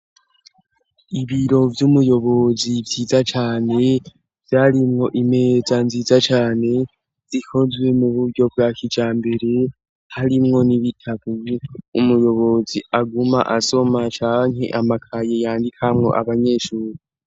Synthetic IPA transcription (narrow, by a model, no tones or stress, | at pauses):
iβiɾo̞vjumujo̞βo̞zivjiːzat͡ʃaːne̞ | vjaːɾimŋo̞ʔime̞ːzanziːzat͡ʃaːne̞ | z̥ikʰo̞zwe̞muβuɾɟo̞b̚ɡakʰid͡ʒaːmbe̞ɾe̞ | haɾimŋo̞niβitʰaβuumujo̞βo̞ziaɡuma̰ʔaso̞mat͡ʃaːŋɦe̞̰ʔamakʰaje̞jaːndikʰamŋo̞̰ʔaβaɲe̞ːʃuːɾi